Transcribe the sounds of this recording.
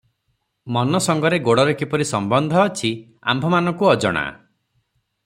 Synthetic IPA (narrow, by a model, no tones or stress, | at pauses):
mɔnɔsɔŋɡɔɾeɡoɽɔɾekipɔɾisɔmbɔnd̪ʱɔːt͡ʃʰi | a̰mbʱɔmanɔŋkuɔd͡ʒɔ̰ɽ̃a̰